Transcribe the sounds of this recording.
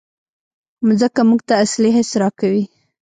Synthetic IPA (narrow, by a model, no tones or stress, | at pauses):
mzəkamuɡt̪aːsleɦesɾɑkawi